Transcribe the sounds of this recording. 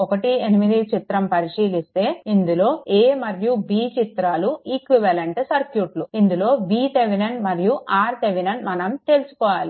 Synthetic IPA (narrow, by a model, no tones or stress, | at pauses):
ɔkɐʈienimid̪it͡ʃit̪ɾɐmpɐɾiʂiːlist̪e̞ːind̪ulo̞ːeːmɐɾjubiːt͡ʃit̪ɾaːluiːkʋiʋɐleɳʈsɐɾkjuːʈluind̪ulo̞ːbiːt̪eʋinɐɳɖmɐɾijuʔaːɾt̪eʋinɐɳmɐnɐmt̪e̞ːlusu̥kɔːʋaːli